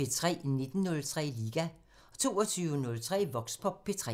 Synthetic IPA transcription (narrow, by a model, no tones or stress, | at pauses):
e̝t͡sʰʁɛ̰ːne̝d̥n̩ːɔ̽lt͡sʰʁɛ̰ːliːɡ̥æ | ɒ̽t͡sʰo̝ːɒt͡sʰyʊənɔ̽lt͡sʰʁɛ̰ːʋɒ̽ɡ̥spʰɒ̽pʰe̝t͡sʰʁɛ